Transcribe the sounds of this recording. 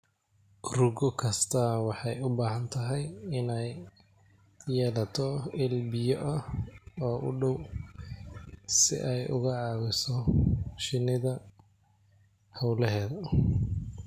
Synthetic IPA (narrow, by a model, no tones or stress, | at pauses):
rʊɡɔkʰɐst̪ʰɐwɑħɑjʊbaːɦɐnt̪ʰɐɦɛjɪnɛj | jɛːlɐt̪ʰɔɪlbɪjɔʔɐɔːʔʊ̰ɖɔw | sɪ̰ʔɛjʔʊ̰ɣɐʕɑːwɪsɔʃɪnɪðɐ | hɐwlɛɦɛːðɐ